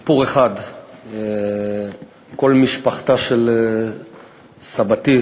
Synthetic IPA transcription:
puʁeχad̪e | ko̞lmiʃpaχtaʃel | sabati

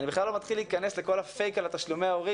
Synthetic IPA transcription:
nibeχlalːo̞mat̪χiliikanesle̞ko̞lafe̞jkalat̪aʃlumeaoʁi

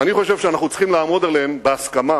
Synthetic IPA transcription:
aniχo̞ʃevʃeanaχnut͡sχimlaːmo̞d̪eleembeaskama

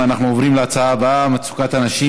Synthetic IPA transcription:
anaχnuovʁimleat͡saaːbaamat͡su̥kat̪anaʃi

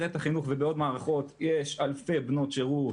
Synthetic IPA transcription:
ʁet̪aχinuχvebeo̞dmaːʁaχo̞t̪jeʃalfebno̞tʃeʁu

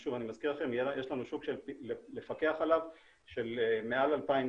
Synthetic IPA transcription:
ʃuvanimaz̥kiʁlaχe̞mjeʃlanuʃuɡʃelpilele̞fake̞aχalav | ʃe̞lmealalpaim

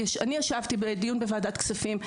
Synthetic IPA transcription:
ʃaniaʃavt̪ibedijunbevaːdat̪ksafim

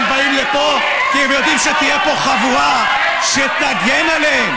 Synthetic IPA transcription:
baimlepo̞ | kiemjo̞d̪imʃet̪ijepo̞χavua | ʃet̪aɡenaleem

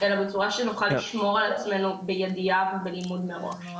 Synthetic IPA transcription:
elabet͡suʁaʃenuχaliʃmo̞ʁalat͡sme̞nubejed̪iavebelimud̪meʁo̰ʃ

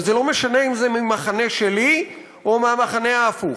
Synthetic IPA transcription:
zelomeʃane̞imzemimaχane̞ʃe̞li | omeamaχane̞aːfuχ

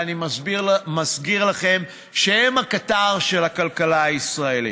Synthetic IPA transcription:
aniimazɡiʁlaχe̞m | ʃeemhakataʁʃe̞lakalkalaaisʁae̞lḭ

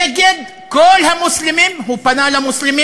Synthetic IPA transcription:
ɡed̪ | kolːhamʊslɪmiːnhupanalamʊslɪmiː

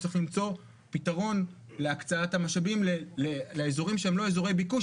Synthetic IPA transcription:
ixlimt͡so̞ | pitaʁo̞n | le̞akt͡saathamaʃabimleleleezo̞ʁimʃeemlo̞ezoʁejbiku

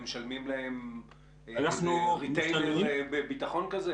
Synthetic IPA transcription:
meʃalmimlahem | anaχnuʁit̪ejneʁbebitaχo̞nkaze

